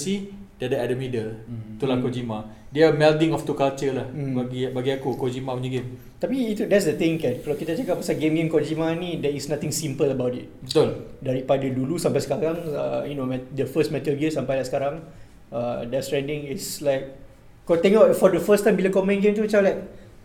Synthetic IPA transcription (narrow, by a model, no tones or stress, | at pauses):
sidadəɛdəmidəlt̪ulankɔd͡ʒimãdɛamɛldɪ̃ŋɔft̪ukalt͡ʃəlah̩baɡibaɡiakukod͡ʒimauɲəɡem | t̪apiːt̪udɛtsdət̪ɪ̃ŋkɛ̃nkalakit̪at͡ʃakapasaɡemɡẽmkɔd͡ʒimanĩdɛisnãt̪ɪ̃ŋsĩmpələbawtit̚bət̪uldaɾipadədulusãmpajsə̥kaɾãŋə̰junomɛdəfəsmɛt̪əlɡemsãmpajlaʔsə̥kaɾãŋ | adɛstɹɛ̃ndɪ̃ŋislaɪk̚ | kot̪ɛŋaʔfɔdəfəstãjmbilakɔmɛ̃nɡẽmt̪ut͡ʃalajk̚